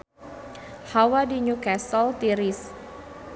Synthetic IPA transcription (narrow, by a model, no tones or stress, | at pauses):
hawadiɲukɛsɔlt̪iɾis